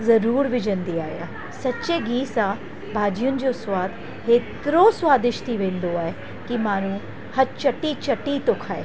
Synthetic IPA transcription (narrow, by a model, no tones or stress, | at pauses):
zɐɾuːɾʋɪd͡ʑənd̪iaːija̰ | sɐtːt͡ʃeɡiːsã | bʱaːd͡ʑijʊnɪ̆d͡ʑoswaːd̪ | ɦeːt̪ɾoswaːd̪ɪʃt̪ʰiʋẽːnd̪oaːɦe | kimaːɾ̃ũ | hɐt͡ʃɐʈit͡ʃɐʈit̪okʰaːḛː